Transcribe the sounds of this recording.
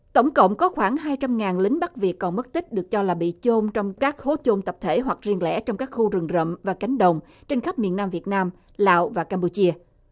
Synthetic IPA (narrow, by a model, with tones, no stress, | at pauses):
t̪ə˧˩wŋ͡mkə̰˧˨wŋ͡mkɔ˨˦xwaː˧˩ŋɦaː˧jt͡ɕa˧mŋaː˨˩nlï˨˦ŋ̟ɓa˦˥k̚vi˨˩əkːɔ˨˩nmə˦˥t̚t̪ï˦˥k̟̚ɗɨ˨˩ək̚t͡ɕɔ˧laː˨˩ɓḭ˧˨t͡ɕo˧mt͡ɕɔ˧wŋ͡mkaː˦˥k̚xo˨˦t͡ɕo˧nt̪ə˨˩p̚t̪ʰe˧˩ɦwa˨˩k̚zi˧əlɛ̰˧˥t͡ɕɔ˧wŋ͡mkaː˦˥k̚xu˧zɨ˨˩ŋzə̰˧˨mvaː˨˩ka˨˦jŋ̟ɗə˨˩wŋ͡m | t͡ɕe˧nxə˦˥p̚mi˨˩ənːaː˧mvi˨˩ət̚naː˧m | la̰ː˧˨wvaː˨˩kaː˧mpu˧t͡ɕi˧ə